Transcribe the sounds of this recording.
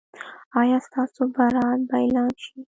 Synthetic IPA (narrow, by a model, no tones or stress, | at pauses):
ɑjɑst̪ɑsobaɾɑlbaɪlɑnʃi